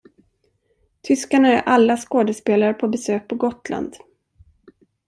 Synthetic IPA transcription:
t̪ʰʏskaɳaæɾʔalːaskoːd̪ɛspeːlaɾəpʰɔbɛsøːk̚pʰɔɡɔt̪lʔa̰nd̪

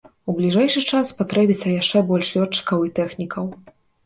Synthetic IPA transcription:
ublʲiʐɛjʂɨt͡ʂasːpat̪ɾɛbʲit̪sːɐjaʂt͡ʂɛbɔlʲʂlʲɔt͡ʂːɨ̥kɐwit̪ɛxnʲikʰɐw

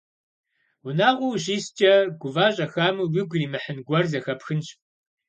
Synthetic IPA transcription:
wʷʊnaːʁʷʊwʑiːst͡ʃʼɐɡʷʊvaːɕʼɐxaːmuwɪɡʷriːmɨħənɡʷɐrzɐxɐpxɨnɕ

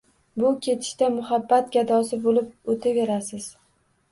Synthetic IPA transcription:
bʊkʲʰe̞t̪ʰɪ̥ʃt̪amʊhabːat̪̚ɡʲad̪ɒsɪbolɪp̚ot̪ʰaveɾasɪz̥

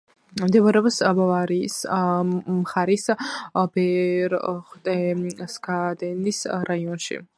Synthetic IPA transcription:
md̪ɛvaɾɛɔpsbavaɾis | mχaɾisbɛɾχwt̪ʼɛsɡad̪ɛnisɾaiɔnʃḭ

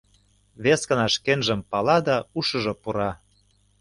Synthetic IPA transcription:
βeskə̆nɑʃkenʒə̆mpɑlɑd̪ɑuʃɤ̆ʒɤ̆puɾɑ

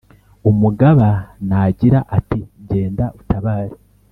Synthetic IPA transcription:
umuɡaβanaɟiɾaʔatiɟe̞ːndaʔutaβaːɾi

